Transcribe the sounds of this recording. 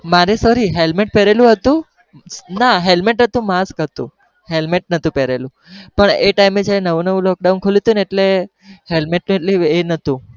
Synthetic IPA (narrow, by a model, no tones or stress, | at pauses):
maɾesɔɾiɦelmeʈ̚pɛɾelũɦət̪ũ | naɦelmeʈɦət̪ũmaskət̪ṵ̃ | ɦelmeʈ̚nət̪ũpɛɾelũ | pəɳeʈaimed͡ʒjaɾenəʋũnəʋũlɔk̚ɖaunkʰolit̪uneeʈle | ɦelmeʈnũeʈlienət̪ũ